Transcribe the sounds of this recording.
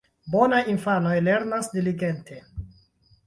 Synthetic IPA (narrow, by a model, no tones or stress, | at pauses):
bo̞najinfano̞jle̞ɾnasdiliɡe̞ntʰe̞